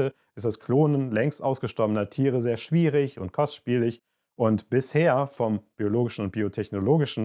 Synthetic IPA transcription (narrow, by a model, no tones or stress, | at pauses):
ə | ʔɪst̚d̥askʰloːnənlɛŋstʔaʊsɡ̥əʃtɔɐbənɐtʰiːʁəzeːɐʃv̥iːʁɪçʊntkʰɔstʃpiːlɪç | ʔʊntb̥ɪsheːɐfɔmb̥ioloːɡɪʃn̩ʊnt̚b̥iːotʰɛçnoloːɡɪʃn̩